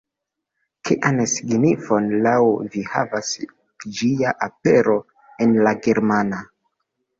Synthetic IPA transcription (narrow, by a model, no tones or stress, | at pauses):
kʰiʔansiɡnifo̞nlawviha̰vas | d͡ʒiaʔapeɾo̞ | enlaɡeɾmana